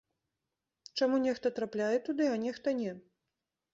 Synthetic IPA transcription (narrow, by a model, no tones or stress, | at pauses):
t͡ʂamunʲɛxt̪ɐt̪ɾaplʲajɛt̪ud̪ɨanʲɛxt̪ɐnʲɛ